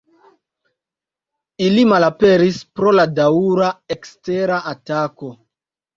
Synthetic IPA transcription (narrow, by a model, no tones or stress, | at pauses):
ilimalape̞ɾispɾo̞ladauɾaekste̞ɾaʔatako̞